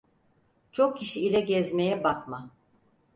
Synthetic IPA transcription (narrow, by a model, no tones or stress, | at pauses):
t͡ʃʰo̞k̚cʰiʃiːlʲɛɟɛzmejɛbakma